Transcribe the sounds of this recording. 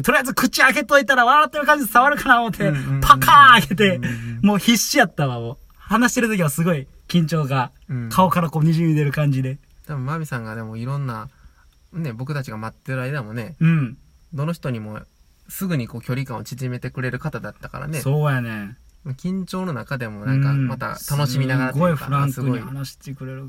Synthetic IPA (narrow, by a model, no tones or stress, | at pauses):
t̪oɾijazɨkɯ̟t͡ɕiaɡe̞t̪o̞it̪aɾaβaːt̪ːejɯ̟kãɲd͡ʑid̪esaβaɾɯ̟kanamot̪ʰːe̞pʰakʰaːɡe̞t̪e̞mo̞ːçiɕːijat̪ːaβamoː | hanaɕi̥t̪e̞ɾɯ̟t̪o̞kʲiβasɨɡo̞i | kʲĩɲ̟t͡ɕo̞ːɡa | kʰao̞kaɾakoːɲ̟iʑɨːɲid̪e̞ɾɯ̟kãɲ̟d͡ʑid̪e̞ | t̪abɯ̃mamʲisãŋɡad̪e̞mo̞iɾõ̞nːa | ne̞bo̞kɯ̟t̪at͡ɕiɡamat̪ːeɾɯaid̪amo̞ne̞ɯ̟̃ɴ | d̪o̞no̞çʲi̥t̪oɲ̟imo̞ | sɨɡɯ̟ɲ̟iko̞ːkʲo̞ɾʲikão̞t͡ɕiʑime̞t̪e̞kɯ̟ɾe̞ɾɯ̟kat̪ad̪at̪ːaka̰ɾa̰ne̞so̞ːjane̞makʲĩɲ̟t͡ɕo̞ːno̞nakad̪e̞mo̞nãkamat̪a̰t̪ano̞sɕimʲinaɡaɾaɡoiɸɯ̟ɾãŋksɨɯihanaɕi̥t̪ekɯ̟ɾe̞ɾɯ̟